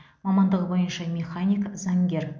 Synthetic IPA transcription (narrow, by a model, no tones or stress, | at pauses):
mɑmɑnd̪əʁəbo̞jənʃɑmʲeχanʲijkzɑŋɡʲe̞r